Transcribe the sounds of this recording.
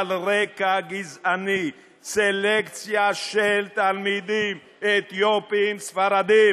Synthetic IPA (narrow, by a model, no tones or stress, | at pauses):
lʁekaɡizʔani | selekt͡sjaʃelt̪almid̪im | et̪jopimsfaɾad̪im